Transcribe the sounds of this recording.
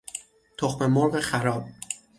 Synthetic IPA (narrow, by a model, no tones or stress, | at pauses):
t̪ʰoxme̞moɾɢexæɾɒːb̥̚